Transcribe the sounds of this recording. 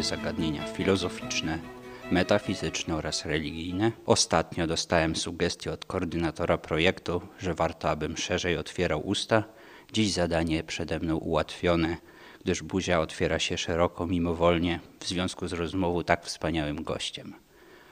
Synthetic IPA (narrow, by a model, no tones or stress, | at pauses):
zaɡad̪ɲeɲa̰fʲilɔzɔfʲit͡ʂnɛmɛt̪afʲizɘt͡ʂnɛɔɾasɾɛlʲiɡʲijnɛɔst̪at̪ɲɔd̪ɔst̪awɛmsuɡɛst̪ʲjɛɔt̪kɔːɾd̪ɘnat̪ɔɾapɾɔjɛkt̪uʐɛvaɾt̪ɔabɘmʂɛʐɛjɔt̪fʲjɛɾawʔust̪a | d͡ʑiʑzad̪aɲɛpʂɛd̪ɛmnɔ̃w̃ʔṵwat̪fʲjɔnɛ | ɡ̥d̪ɘʐbuʑaɔt̪fʲjɛɾaɕɛʂɛɾɔkɔmʲimɔvɔlɲɛvzvʲjɔ̃skuzɾɔzmɔvɔ̃wt̪akfspaɲawɘmɡɔ̰ɕt͡ɕɛm